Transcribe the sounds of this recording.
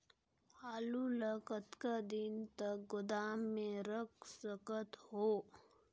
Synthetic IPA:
aːluləkət̪kad̪ɪnt̪ək̚ɡʊd̪aːmːẽɾəksəkət̪hoː

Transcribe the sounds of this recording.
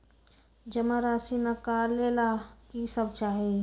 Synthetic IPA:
d͡ʒəmaɾaːsinakaːɾlelakisəbt͡ʃaːɦi

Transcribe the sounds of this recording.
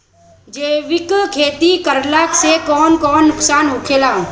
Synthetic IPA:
d͡ʒeːʋɪkkʰeːt̪ikəɾlaːksekɔːnkɔːnːʊksaːnɦʊkʰeːlãː

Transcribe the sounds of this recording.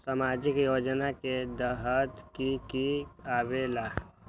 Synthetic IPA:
samaːd͡ʒɪkjoːd͡ʒnaked̪əɦət̪kikiabela

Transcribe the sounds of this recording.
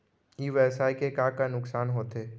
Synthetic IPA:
iʋɛːsaːikekaːkanʊksaːnɦoːt̪eː

